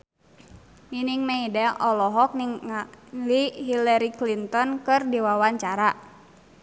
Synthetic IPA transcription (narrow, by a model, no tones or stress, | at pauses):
niniŋmɛidɛʔɔlɔɦɔk̚niŋ | liɦilaɾiklint̪ɔnkɨrdiwawaɲt͡ʃaɾa